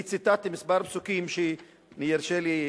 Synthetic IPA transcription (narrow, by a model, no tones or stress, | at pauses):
t͡sit̪at̪imispaɾpsukimʃe | nijiɾʃeli